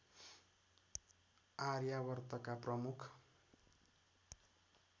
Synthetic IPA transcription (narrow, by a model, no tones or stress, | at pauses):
aɾjaβʌrt̪ʌkaprʌmukʰ